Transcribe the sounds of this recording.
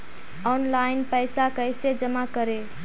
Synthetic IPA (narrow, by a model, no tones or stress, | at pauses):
ɔnlaɪnpəjsakəjsed͡ʒəmakəɾe